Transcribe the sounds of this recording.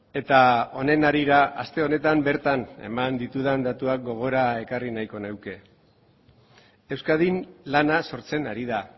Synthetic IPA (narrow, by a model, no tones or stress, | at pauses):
e̞t̪ao̞ne̞naɾiɾaast̪e̞o̞ne̞t̪ambe̞ɾt̪ane̞̰mand̪it̪uð̞and̪at̪uak̚ɡo̞ɣ̞o̞ɾae̞karinajko̞newke̞ | e̞wskaðinlanaso̞ɾt͡se̞naɾið̞a